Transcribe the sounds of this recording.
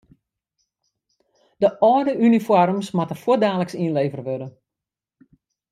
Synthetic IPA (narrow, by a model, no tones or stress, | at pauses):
d̥əʔɔːdəʔynifɔrmsmatəfwoədaːləksinleːvərəʋødə